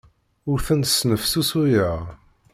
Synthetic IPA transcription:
ʊɾθænsnəfsusujəʁ

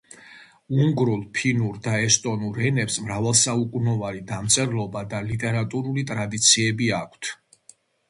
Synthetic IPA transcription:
uŋɡɾulˠpʰinuɾd̪aɛst̪ʼɔnuɾɛnɛpsmɾavɛlˠsaukʼunɔvalid̪amt̪sʼɛɾlˠɔbad̪alit̪ʼɛɾat̪ʼuɾulit̪ʼɾad̪it̪sʰiɛbiakʷʰt̪ʰ

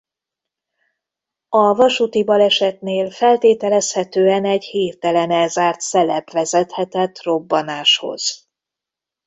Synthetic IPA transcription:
ɒvɒʃut̪ibɒlɛʃɛt̪neːlfɛlt̪eːt̪ɛlɛshɛt̪øːɛnɛɟhiːrt̪ɛlɛnɛlzaːrt̪sɛlɛbvɛzɛt̪hɛt̪ɛt̪ːro̞bːɒnaːʃho̞̰z̥

